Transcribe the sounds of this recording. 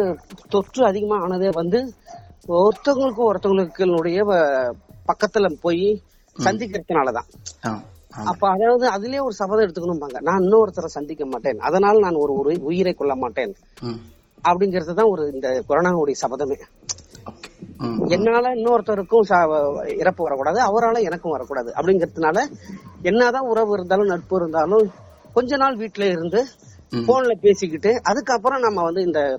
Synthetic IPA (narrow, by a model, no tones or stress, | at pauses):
t̪ɔʈrɯɐðɪɣɐmaːaːnɐðeːʋɐnd̪ɯ | ɔɾt̪ːɐŋɡɐɭɯk̬ːʊ̃ɔɾt̪ːɐŋɡɐɭɯkːɯnʊɽɐjɐ | pɐkːɐt̪ːɪlɐpoːji | ssɐnd̪ɪkːɪɾɯt̪ːɐnaːlɐt̪ã̰ː | ɐpːoːɐðaːnɐðɯɐðɪlɐjeːɔɾɯsɐbɐðɐ̃ɛɽɯt̪ːɯkːɐɳɯmpaːŋɡɐnãːnɪnːɐɔɾt̪ːɐɾɐsɐnd̪ɪkːɐmaːʈːeːnɐ̰ðɐnaːlɐnaːnɔɾɯɔɾɯʊjɪɾɐɪkːɔɭːɐmaːʈːeːn | ɐpːɐɽɪŋɡɪɾɐðɯt̪ãːɔɾɯɪnd̪ɐkʊɾɐnaːɯɽɐjɐsɐbɐðɐmeː | ɛnːaːlɐɪnːɐːɾɐt̪ːɐɾɯkːɯ̃sɪɾɐpːɯʋɐɾɐkːuːɽaːðɯɐʋɐɾaːlɐ̃ɛnɐkːʊ̃ʋɐɾɐkːuːɽaːðɯʔɐ̰pːɐɽɪŋɡɪɾɐðɯnaːlɐɛnːɐt̪ãːʊɾɐʋɯɪɾɯnd̪aːlʊ̃nɐʈ̚pɯɪɾɯnd̪aːlʊ̃ | kɔɲd͡ʒɐnaːlʋiːʈːɪleɪɾɯnd̪ɯ | foːnɪlɐpeːsɪkːɪʈːɯʔɐðɯkːɐp̬ːɯɾɔ̃nɐmːɐʋɐnd̪ɯɪnd̪ɐ